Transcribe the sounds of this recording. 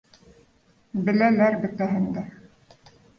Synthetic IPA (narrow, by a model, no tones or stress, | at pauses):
bɘ̆lælæɾbɘ̆t̪æɦɘ̆nd̪æ